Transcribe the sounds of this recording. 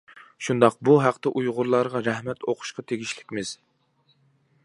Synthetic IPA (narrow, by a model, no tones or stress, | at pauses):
ʃund̪ɑq̚buɦæqt̪ɛʔujʁʊɾlˠɑɾʁɑɾæhmɛt̪ʰoqʰʊ̥ʃqɑt̪ʰeɡʲiʃlɪ̥kʲmɪz̥